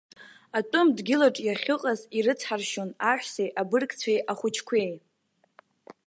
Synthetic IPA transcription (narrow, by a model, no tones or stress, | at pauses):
atʼʊmdɡʲɪlaʈ͡ʂʼjaχʲɨqʼaziɾɨt͡sʰħarʃonaħʷᶣsejʔabɨrkʼt͡sʰejʔaχʷʊt͡ʃʰkʷʰe̞j